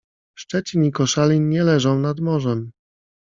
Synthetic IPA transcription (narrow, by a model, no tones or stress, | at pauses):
ʂt͡ʂɛt͡ɕiɲikɔʂalʲiːɛlɛʐɔ̃w̃nad̪mɔʐɛm